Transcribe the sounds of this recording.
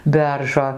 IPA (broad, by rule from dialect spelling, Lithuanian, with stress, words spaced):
ˈbʲɛrʒoː